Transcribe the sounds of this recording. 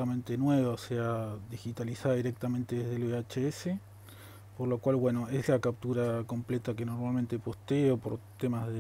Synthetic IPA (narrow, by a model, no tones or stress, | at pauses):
amẽ̞nt̪enweβaosead̪ixit̪alisaðaðiɾek̚t̪amẽnt̪eðezðeleat͡ʃeese | poɾlokwalβwe̞no̞eslakap̚t̪uɾako̞mplet̪akeno̞ɾmalmẽ̞nt̪epo̞st̪eopo̞ɾt̪emazðe